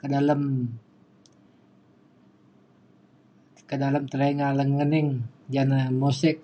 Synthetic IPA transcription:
kədaləm | kədaləmt̪əɾaiŋaləŋənɪŋd͡ʒanamosɛk̚

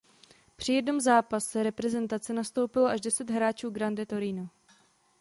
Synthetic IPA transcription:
pr̝̥ɪjɛdno̞mzaːpasɛɾɛpɾɛzɛnt̪at͡sɛnast̪o̞wpɪloʔaʒdɛsɛd̪ɦɾaːt͡ʃuːɡɾandɛt̪o̞ɾino

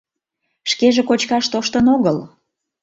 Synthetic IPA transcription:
ʃkeʒekot͡ɕkɑʃt̪oʃt̪ənoɣəl

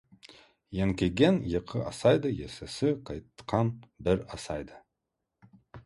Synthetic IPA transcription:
jeŋkʲeɡʲenjeqʰʲɪʔɑsɑjd̪əjesesɪqʰɑjt̪ːqʰɑnbɪɾɑsɑjd̪ə

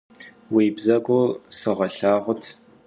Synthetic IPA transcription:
wiːbzɐkʷʼʊsɨʁɐɬaːʁʷʊtʰ

